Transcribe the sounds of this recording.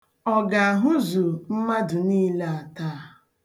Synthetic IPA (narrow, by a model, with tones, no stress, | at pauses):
ɔ˨ɡa˨a˨ɦʊ˦zu˨m̩˦ma˦dʊ˨niː˦le˦a˨taː˦a˨